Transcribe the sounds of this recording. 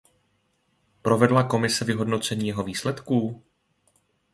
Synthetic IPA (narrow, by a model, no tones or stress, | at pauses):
pɾo̞vɛdlako̞mɪsɛvɪɦo̞dno̞t͡sɛɲiːjɛɦo̞viːslɛt̪kuː